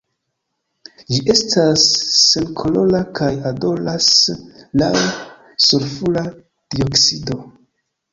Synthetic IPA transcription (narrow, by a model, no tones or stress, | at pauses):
d͡ʒiʔe̞stasːe̞nkʰolo̞lakʰajado̞laslaw | suɾfula | d̥io̞ksido̞